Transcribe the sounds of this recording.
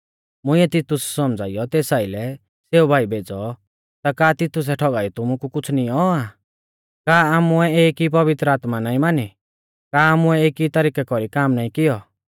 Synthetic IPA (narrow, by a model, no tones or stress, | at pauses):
mʊ̃ĩɛt̪ɪt̪ʊssɔmd͡zʱa̰ːijɔt̪eːsaːilɛ | seːubʱaːibʱeːd͡zɔ | t̪akaːt̪ɪt̪ʊs̬ɛʈʰɔɡaːit̪ʊmukukʊt͡sʰnĩɔa | kaːamuɛeːkip̬ɐbɪt̪ɾəaːt̪manaːĩmaːni | kaːamuɛeːkit̪ɐɾiːkɛkɔɾikaːmnaːĩkɪjɔ